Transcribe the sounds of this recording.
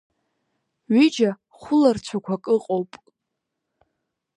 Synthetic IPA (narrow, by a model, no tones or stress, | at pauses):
ɥid͡ʒa | χʷʊlart͡ɕʷʰakʷʰakʼɨqʼowpʼ